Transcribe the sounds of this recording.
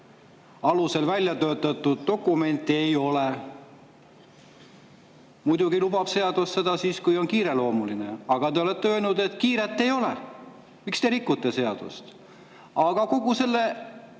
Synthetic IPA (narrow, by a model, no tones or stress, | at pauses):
ɑluse̞lvælʲjɑt̪ø̞ːt̪ːˑɑt̪ˑːud̪̥ːo̞kːˑume̞nt̪ːˑe̞jo̞le | mujd̪uɡ̥ilubɑb̥se̞ɑd̪̥usːe̞d̪ɑsiːskujo̞nkiːɾe̞lo̞ːmulineɑɡ̥ɑt̪e̞o̞let̪ːeøːlnud̪e̞t̪ːˑkiːɾet̪ːˑe̞jo̞le | mikst̪e̞ɾikːˑut̪ːˑe̞se̞ɑd̪̥ṵst̪ | ɑɡ̥ɑko̞ɡuse̞lːe̞